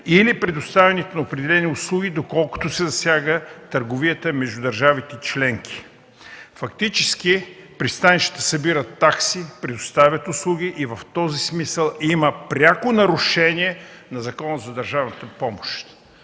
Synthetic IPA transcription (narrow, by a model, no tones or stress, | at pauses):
ilipɾɛd̪ʊst̪avʲɛnit̪ɛnɐʊpɾɛd̪ɛlɛniʊslˠuɡʲid̪okɔlˠkʊ̥t̪osɛzɐsʲjaɡət̪əɾɡʊviət̪əmɛʒd̪ʊd̪ɐɾʒavit̪ɛt͡ʃlɛŋkʰʲi̥ | fɐkt̪it͡ʃɛsk̟ipɾist̪aniʃt̪i̥t̪əsɐbiɾət̪ːaksipɾɛd̪ʊst̪avʲət̪ʊslˠuɡ̟iʔivəft̪ɔzismisəlˠiməpɾʲakʊnɐɾʊʃɛnʲiɛnɐzɐkɔnəzɐd̪ɐɾʒavnət̪əpɔmʊʃt̪